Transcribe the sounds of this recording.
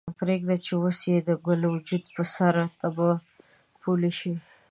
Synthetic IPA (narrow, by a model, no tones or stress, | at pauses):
pɾeɡd̪at͡ʃewəsjed̪əɡʊlawʊd͡ʒud̪̚pəsaɾat̪aba | pʰuleʃi